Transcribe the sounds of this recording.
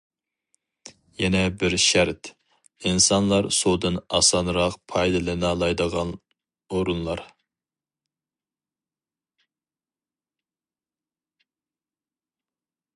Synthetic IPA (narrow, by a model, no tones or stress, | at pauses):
jɛnɛbɪɾʃæɾt̪ | insɑnlˠɑɾsod̪ɨnɑ̰sɑnɾɑqpʰɑjd̪ɨlˠɨnɑlˠɑjd̪əʁɑn | oɾunlˠɑɾ